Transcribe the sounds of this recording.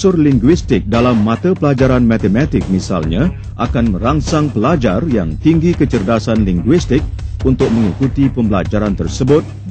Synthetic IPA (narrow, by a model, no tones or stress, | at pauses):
sʊrliŋɡwist̪ɪk̚dalamːãt̪apəlad͡ʒaɾanmat̪əmat̪ɪk̚misa̰lɲã | ʔakanmə̃ɾaŋsaŋpəlad͡ʒarjaŋt̪iŋɡikət͡ʃərd̪asanliŋɡwist̪ɪk̚unt̪ʊk̚mə̃ŋikut̪ipəmbəlad͡ʒaɾant̪ərsəbʊt̪̚